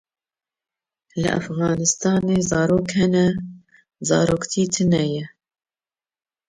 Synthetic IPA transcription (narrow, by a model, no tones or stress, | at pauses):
lɨ̰ʔæ̰fɣɑːnɨst̪ɑːneːzɑːɾoːkhɛnɛ | zɑ̰ːɾoːkt̪ʰiːt̪ʰɨnɛjɛ